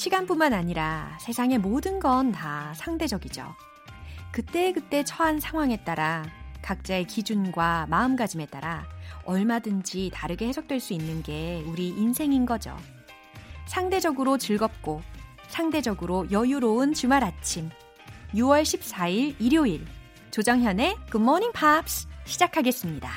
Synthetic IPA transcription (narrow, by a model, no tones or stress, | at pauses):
ɕʰiɡanpunmanaɲiɾasʰe̞sʰaŋe̞modɯnɡʌntasʰaŋde̞d͡ʑʌɡid͡ʑo̰ | kɯt͈e̞ːkɯt͈e̞t͡ɕʰʌansʰaŋɦwaŋe̞t͈aɾakak̚t͡ɕ͈aekid͡ʑunɡwamaɯmɡad͡ʑime̞t͈a̰ɾaʌɭmadɯnd͡ʑitaɾɯɡe̞he̞sʰʌk̚t͈we̞ɭs͈uinːɯnɡe̞uɾiːnsʰe̞ŋinɡʌd͡ʑo̰ | sʰaŋde̞d͡ʑʌɡɯɾot͡ɕɯɭɡʌp̚k͈o | sʰaŋde̞d͡ʑʌɡɯɾojʌjuɾoɯnt͡ɕɯmaɾat͡ɕʰim | juwʌɭɕʰip̚s͈aiɭiɾjoiɭ | t͡ɕod͡ʑaŋɦjʌne̞kɯmːʌɲiŋpʰapsɕʰid͡ʑakʰaɡe̞s͈ɯmɲida